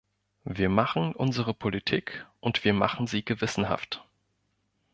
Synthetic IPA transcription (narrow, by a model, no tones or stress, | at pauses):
viːɐmaχn̩ʔʊnzəʁ̞əpʰolitʰiːkʔʊntv̥iːɐma̰χn̩ziːɡəvɪsn̩ha̰ft